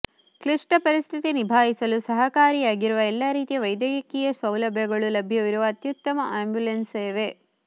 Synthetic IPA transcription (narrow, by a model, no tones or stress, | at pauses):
kliʂʈɐpɐɾist̪ʰit̪inibʱaːɦisɐlusɐɦɐkaːɾijaːɡiɾuʋɐɛlːaɾiːt̪ijɐʋɐjd̪jɐjɐkijɐsʋɐwlɐbʱjɐɡɐɭulɐbʱjɐʋiɾuʋɐːt̪jut̪ːɐmɐʔaːmbjulenseːʋe